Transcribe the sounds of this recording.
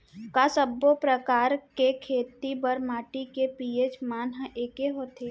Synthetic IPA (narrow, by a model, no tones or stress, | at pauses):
kasəbːopɾəkaːɾkekʰeːt̪ibəɾmaːʈikepiːet͡ʃmaːnɦə̃ʔeːkeɦoːt̪ʰe